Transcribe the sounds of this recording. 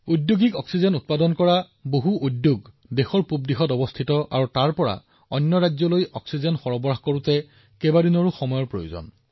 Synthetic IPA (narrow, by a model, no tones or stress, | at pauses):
udjoɡikɔksizɔnut̚padɔnkɔɹa | boɦuʔudːjoɡ | dexɔɹpubdixɔtɔbɔstʰitɔʔa̰ɹutaɹpɔɹa̰ | ɔnjɔɹazɔlojɔksizɔnxɔɹɔbɔɹaxkoɹutɛ | kɛbadinɔɹuxɔmɔjɔɹpɹojo̰zɔ̰n